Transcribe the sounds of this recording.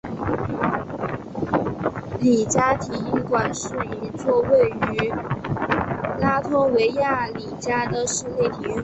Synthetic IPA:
li˨˩t͡ɕja˥t̪ʰi˧˥y˥˩ŋkwa˨˩nʂɻ̩˥˩i˧˥t͡swɔ˥˧we˥˩ɪy˧˥ | la˥t̪ʰʊ˥we˧˥ɪja˥˩li˨˩t͡ɕja˥d̪ə˨ʂɻ̩˥˧le˥˩ɪt̪ʰi˨˩y˥˩

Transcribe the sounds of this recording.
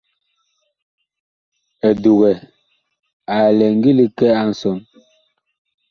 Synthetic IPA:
ɛ˨du˨ɣɛ˨ | a˨lɛ˨ŋ˦ɡi˦li˨kɛ˦a˦n̩˨sɔ˨n

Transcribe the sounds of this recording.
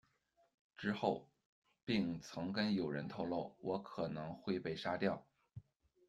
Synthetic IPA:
ʈ͡ʂɻ̩˥xo˥˩ʊ | pi˥˩ŋt͡sʰɤ˧˥ŋkə˥njo˨˩ʊɻə̰˧˥nt̪ʰo˥˧ʊlo˥˩ʊwʔɔ˧˥kʰɤ˨˩nɤ˧˥ŋxwe˥˧ɪpe˥˩ɪʂa˥t̪jɑ˥˩ʊ

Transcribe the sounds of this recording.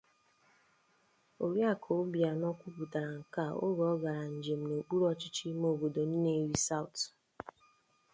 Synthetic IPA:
o˨ɾja˦˨kʰo˨ʊ˦bi˨a˨nɔ˦kʷu˦pu˨ta˨ɾa˨ŋ̩˨ka˦˨o̰˦ɡɔ˨˦ɡa˨ɾa˨n̩˨d͡ʒe˨m̩˨no˨k͡pu˦ɾɔ˦t͡ʃɪ˦t͡ʃɪ˦mo˨bo˨do˨n̩˦ne˦ɾi˦sa˦ʊ˨t

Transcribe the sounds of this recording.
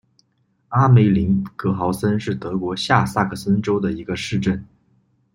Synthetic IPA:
a˥me˧˥ɪli˧˥nkɤ˧˥xɑ˧˥ʊsə˥nʂɻ̩˥˩t̪ɤ˧˥kwɔ˧˥ɕja˥˧sa˥˩kʰə˥˩sə˥nʈ͡ʂo˥ʊd̪ə˨i˧˥ɡə˧ʂɻ̩˥˧ʈ͡ʂə˥˩n

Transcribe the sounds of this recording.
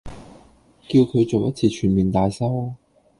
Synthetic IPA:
ki˧wkʰɵ˨˧ɥt͡so˨wjɐ˥t̚t͡sʰiː˧t͡ʃʰyː˨˩nmiː˨˩nt̪aː˨jsɐ˥w

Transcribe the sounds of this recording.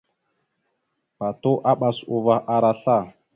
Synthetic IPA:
pa˨to˦ʔa˦ɓa˨su˨va˨ʔa˨ɾa˦ɬa˦˨

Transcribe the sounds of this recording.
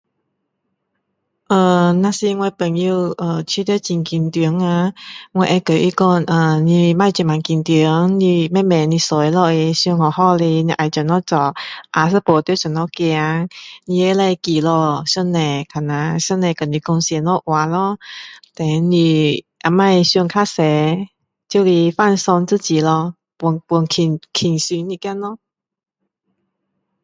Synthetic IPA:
ʔə˨˩nã˧si˧ŋwɛ˧pə˨˩ŋji˧ʔə˧˩t͡ɕʰi˧˦t̪ə˧˦t͡ɕi˧˩ŋki˧nt̪i˨˦ŋa˧ŋwɛ˧ʔɛ˧kə˨˩ʔi˧˦kɔ˧nə˨˩nĩ˧mã˧˨t͡ɕɛ˧˨ma˨nki˧nt̪i˨˦ŋni˧mɛ˧˥˨mɛ˨nĩ˧so˨˦jlɔ˧˨e˧su˧ŋɔ˨˩hɔ˧˨le˧nĩ˧ʔa˨˩t͡ɕə˨nɔ˦˥˦t͡sɔ˨˩ʔa˧s̬ə˧˦po˨t̪i˧˥˦sɔ˨˩nɔ˧˦kja˧ŋnĩ˧e˧˦lɛ˧ki˨lɔ˧ɕu˥˧nːɛ̃˨˩kʰa˨˩na˧˦ɕu˥˧nɛ̃˨˩kɔ˨˩nĩ˧˩kɔ˧ŋsjɛ˧nlɔ˦ʔwa˨˧˦lɔ˧˦t̪ɛ˨˦nĩ˧ | ʔa˧mã˧e˧ɕju˧ŋkʰa˦˥sɛ˨˧˦ | t͡ɕju˧li˧fa˥˨nsɔ˧ŋt͡sɨ˥˧˨t͡ɕi˨˩lɔ˧ | pu˧˦ŋpu˧˩ŋkʰi˨˩ŋkʰi˨˩ŋsi˧˦nĩ˧kja˥˧nlɔ˧˦˨

